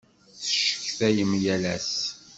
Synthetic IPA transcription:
θəʃə̥çθæjəmjælæs

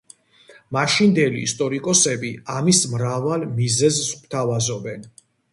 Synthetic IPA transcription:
maʃind̪ɛlḭːst̪ʼɔɾikʼɔsɛbiamismɾavalˠmizɛzsmt̪ʰavazɔbɛn

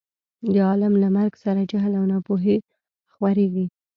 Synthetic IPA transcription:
d̪əɑlamlamaɾɡsaɾad͡ʒaɦlawnɑpoɦe | xwaɾeɡi

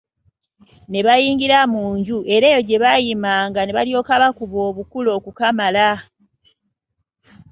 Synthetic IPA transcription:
ne̞βajiːŋɡiɾamuːɲɟuʔe̞ɾe̞ːjo̞ɟe̞βajimaːŋɡane̞βa̰ljo̞ːkaβakuβo̞ːβukulo̞ːkukamala

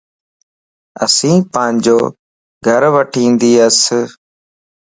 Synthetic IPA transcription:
ə̰sĩːpãːɲd͡ʒoː | ɡʱəɾʋəʈʰĩːnd̪iːəs

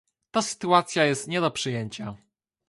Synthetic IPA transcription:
t̪asɘ̥t̪uat̪sʲjajɛst̪ɲɛd̪ɔpʂɘjɛɲt͡ɕa

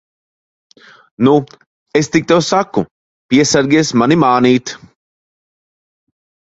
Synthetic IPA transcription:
nu | est̪ik̚t̪ewsakːu | pʲiɛsaɾɡʲiɛsmanimaːniːt̪

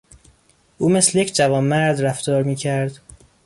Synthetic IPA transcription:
ʔuːmeslejecʰd͡ʒævɒːnːæɾd̪ɾæft̪ɒːɾmiːcʰæɾd̪

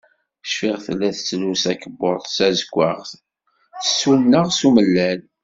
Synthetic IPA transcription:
ʃfiʁθəlːæθət͡sːlusækəbːoɾˤsæzəkʷːaʁθ | θə̥sunnːəʁsuməlːæl

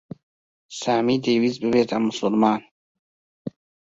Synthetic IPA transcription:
saːmid̪eːwizbebet̪amusulmaːn

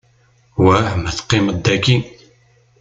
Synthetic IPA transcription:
wahəmæθqːiməd̪ːækːi

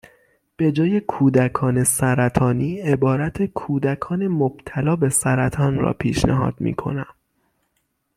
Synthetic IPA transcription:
b̥e̞d͡ʒɒːje̞kʰuːd̪ækʰɒːne̞sæɾæt̪ʰɒːniːebɒːɾæt̪ʰekʰuːd̪ækʰɒːne̞mob̥̚t̪ʰælɒːbe̞sæɾæt̪ʰɒːnɾɒ̰ːpʰiːʃnḛɦɒ̰ːd̪̥mḭːkʰo̞̰næm

